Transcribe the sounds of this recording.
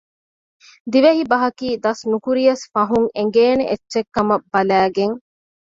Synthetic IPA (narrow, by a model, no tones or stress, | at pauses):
d̪iʋeɦibɐɦɐkiːd̪ɐsnukuɾijɐsfɐɦuŋeŋ̆ɡeːneʔet͡ʃːʃekːɐmɐbːɐlæːɡeŋ